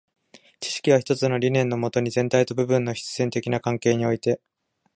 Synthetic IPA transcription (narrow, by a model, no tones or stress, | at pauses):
t͡ɕi̥ɕi̥kʲiβaçi̥t̪ot͡sɨno̞ɾʲinẽ̞nːo̞mo̞t̪o̞ɲ̟izẽ̞nt̪ait̪o̞bɯ̟bɯ̟̃nːo̞çi̥t͡sɨ̥zẽ̞nt̪e̞kʲinakãŋke̞ːɲ̟io̞it̪e̞